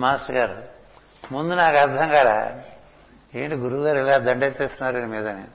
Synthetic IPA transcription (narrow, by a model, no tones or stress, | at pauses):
maːsʈɐɡaːɾṵ | mund̪unaːkɐɾd̪ʱɐŋɡaːɾa̰ | eːɳʈiɡuɾuʋɡaːɾilaːd̪ɐɳɖeːt͡ʃeːst̪unːaːɾuinimiːd̪ɐni